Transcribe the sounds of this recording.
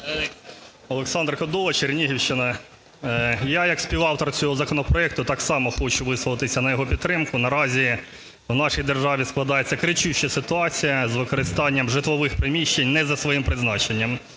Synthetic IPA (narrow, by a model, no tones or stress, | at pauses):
ɔlˠeksɑnd̪rkɔd̪ɔʋˠɐt͡ʃirnʲiɦʲiwʃt͡ʃɪnɐ | jajɐksʲpʲiwɑwt̪ɔrt͡sʲɔɦɔzɐkɔnɔpɾɔɛk̚t̪ʊt̪ɑksɑmɔxɔt͡ʃʊʋɪsʋˠɔlˠt̪ɪsʲɐnɐjɔɦɔpʲid̪t̪ːɾɪmkʊnɐɾɑzʲi | wnɑʃijd̪erʒɑʋʲisklˠɐd̪ɑjet͡sʲːɐkɾɪt͡ʃuʃt͡ʃɐsɪt̪ʊɑt͡sʲijɐzʋɪkɔɾɪst̪ɑnʲːɐmʒɪt̪ʋˠɔʋɪxpɾɪmʲiʃt͡ʃenʲnɛzɐsʋɔjimpɾɪznɑt͡ʃenʲːɐm